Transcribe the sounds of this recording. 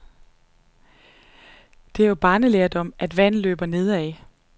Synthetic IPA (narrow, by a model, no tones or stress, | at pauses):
d̥e̝ɐjob̥ɑ̈ːnəleɐd̥ɒ̽mʔæd̥ʋæn̰lø̰ːb̥ɐne̝ð̞ˠɛɪ